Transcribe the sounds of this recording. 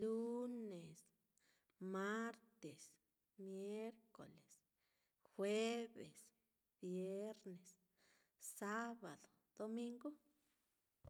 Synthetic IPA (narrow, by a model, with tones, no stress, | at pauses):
lu˦ne˨s | ma˦ɾt̪e˨s | mje˦ɾko̰˨le˨s | xwe˦bḛ˨s | b̥je˦ɾne˨s | sa˦ba˨d̪o̥˨d̪̥o˧mi˧ŋɡo˦